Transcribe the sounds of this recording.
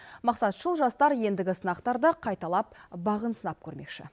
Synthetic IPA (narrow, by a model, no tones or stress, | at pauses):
mɑqsɑt̪ʒəlˠʒɑst̪ɑɾje̞nd̪ɪɡʲɪsənɑqt̪ɑɾd̪əqʰɑjt̪ɑlˠɑp̚bɑʁənsənɑp̚kʲʰɵɾme̞kʃɪ̰